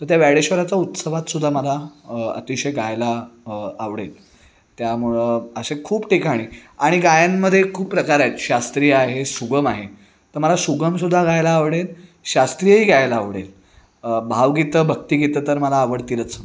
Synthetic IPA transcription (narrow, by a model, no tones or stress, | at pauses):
t̪əɾt̪jaʋaɽeɕʋəɾat͡saut̪səʋat̪sud̪ʱːaməlaə̰t̪iɕəjɡajlaː | ʋɽḛl | t̪jamuɭəəɕekʰuːbʈikaɽ̃iːaɽ̃iɡajamːəd̪ʱːjekʰuːppɾəkaɾajt̪ɕast̪ɾijaɦesuɡəmaɦe | t̪əɾməlasuɡəms̬ud̪ʱːaɡajlaːʋɽelɕast̪ɾijəɦiːɡajlaːʋɽḛl | bʱaʋɡit̪əbʱəɡ̚t̪iːɡit̪ət̪əɾməlaːʋəɽt̪ilət͡sə